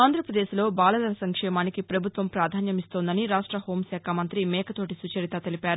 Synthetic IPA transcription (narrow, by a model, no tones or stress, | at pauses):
aːnd̪ɾɐpɾɐd̪eːʃlo̞ːbaːlɐlɐɾɐsɐŋkʂɛːmaːnikipɾɐbʱut̪ʋɐmpɾaːd̪ʱaːnjɐmist̪oːnd̪ɐniɾaːʂʈɾɐho̞ːmsaːkʰamɐnt̪ɾimɛːkɐt̪o̞ːʈisut͡ʃɐɾit̪at̪elipaːɾu